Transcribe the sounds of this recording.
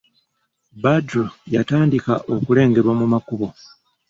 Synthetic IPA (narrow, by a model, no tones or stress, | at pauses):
badojataːndikaʔo̞kule̞ːŋɡe̞ɾwamumakuβo̞